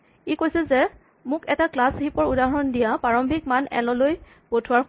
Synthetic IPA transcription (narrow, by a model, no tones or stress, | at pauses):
ikojsɛzɛ | mʊkɛtaklashipɔɹudaɦɔndijapaɹɔmbʱik̚manɛ̰lɔloj | potʰʊwaɹ